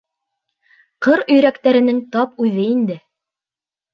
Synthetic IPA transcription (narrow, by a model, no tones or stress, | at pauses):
qɤɾɵ̆jɾækt̪æɾɘ̆nɘŋt̪ɑpʉðɘind̪ɘ